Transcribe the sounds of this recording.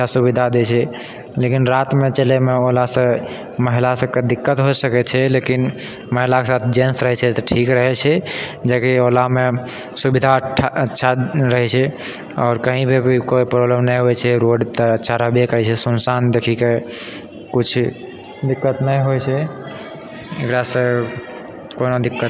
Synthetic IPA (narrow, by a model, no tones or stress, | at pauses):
ʃasubid̪ʱad̪et͡ʃʰɛ | lekinɾat̪met͡ʃelemeolasə̃ | məɦilasəb̚ked̪ikːət̪ɦosəkɛt͡ʃʰɛlekin | məɦilakesat̪ʰd͡ʒensɾəɦɛt͡ʃʰɛt̪ɔʈʰikɾəɦɛt͡ʃʰɛd͡ʒakiolame | subid̪ʱaʈʰətːʃʰaɾəɦɛt͡ʃʰɛ | ɔːɾkəɦĩbʱebkoipɾobləmnəjɦojt͡ʃʰɛɾoɖt̪ɔətːʃʰaɾəɦbʱekət͡ʃʰɛsunsand̪ekʰike | kut͡ʃʰ | d̪ikːət̪nəjɦojt͡ʃʰɛ | ekɾasə̃ | konod̪ikːət̪